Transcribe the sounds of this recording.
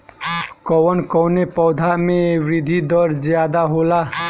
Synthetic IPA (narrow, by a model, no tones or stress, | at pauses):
kʌwʌnkʌwnepʌwd̪ʱamebɾid̪ʱid̪ʌɾd͡zjad̪aɦola